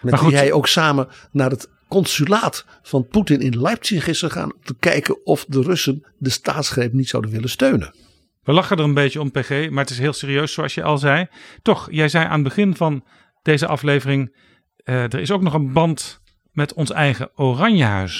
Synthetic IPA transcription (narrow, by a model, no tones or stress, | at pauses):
mɛmaχuɦɛjowksaːmən | naːɹət | kɔnsylaːt | fɑnputɪnɪnlajp̚tiəχɪstəχa̰ːnɔmtəkɛjkənɔfdərɵsən | dəstaːtsχrejpnitsa̰wdənʋɪlənstøɥnə̰n | ʋəlɑχədəɹənbejtəɔmpeχejmaːɹətɪsɦɪːlˠseːriøɥssowɑsjəjʔɑ̰lˠzɛjtɔχjɛjzɛjʔa̰ːnədbəχɪnvɑn | d̥ejzəʔɑflejvərɪŋ | dəɹɪsowknɔχənbɑnt | mɛtɔnsɛjχəorɑɲjəɦœ̰ɥs